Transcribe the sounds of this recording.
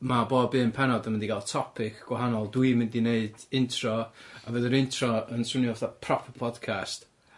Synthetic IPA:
maboːdbɨːnpʰɛnɔdənmɪndiɡalˠtʰɔpʰɪkʰɡ̥waɦanɔlˠdwɨmɪndineɨd̥ɪntʰrɔavəðəɾɪntʰrɔənsʊnjɔθapʰrɔpʰəpʰɔdkʰast

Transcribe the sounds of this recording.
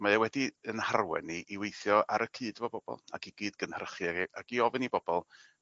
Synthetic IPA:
majawɛdiənharwɛ̰niʔːwejθjɔaɾəkʰɨːdvɔbɔb̥ɔ̰lˠa̰ɡiɡiːdɡənhərχiaʔaɡiɔvɨnibɔbɔlˠ

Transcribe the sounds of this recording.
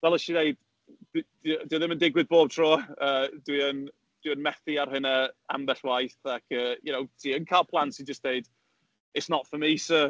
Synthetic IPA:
vɛlˠəʃineɨd | d | diːðɪməndɪɡwɪd̚boːb̥̚tʰroːəːd̥wiən | d̥wiənmɛθiarɦɨnaa̰mbɛɬwajθakʰəːjənowtʰiːənkʰajlˠpʰlˠantsid͡ʒəsd̥eɨd̥ | ɪtsnɔtfəmisə

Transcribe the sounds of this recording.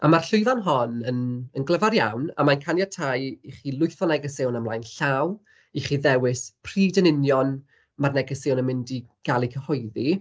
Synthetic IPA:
a̰marɬʊɨvanɦɔnənənɡlˠəvaɾja̰wna̰mankʰanjatʰajiχilˠʊjθɔnɛɡəsɪwnamlˠajnɬaw | iχiðɛwɪspʰr̥iːdənɪnjɔn | marnɛɡəsɪwnəmɪndiɡ̥alˠikʰəhɔɨði

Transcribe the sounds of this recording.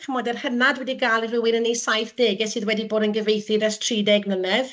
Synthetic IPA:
kʰəmɔdɛrhənadwɛdiɡaːlˠirɪwɪnənejsajθd̥eːɡɛsɨːðwɛdiboːdənɡəvejθidɛstʰriːdɛɡnənɛð

